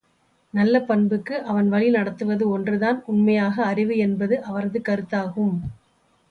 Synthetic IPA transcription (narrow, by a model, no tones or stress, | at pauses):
nɐlːɐpɐnbɯkːɯʔɐʋɐnʋɐɭinɐɽɐt̪ːɯʋɐðɯɔndrɯðaːnʊnmɐjaːɣɐːrɪʋɯɛnbɐðɯʔɐʋɐɾɐðɯkɐɾɯt̪ːaːɣɯm